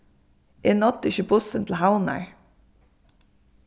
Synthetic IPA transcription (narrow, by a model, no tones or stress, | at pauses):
ʔenɔt̪ːɪçəbʊsənt̪ʰl̩ɦaʊna̰ɹ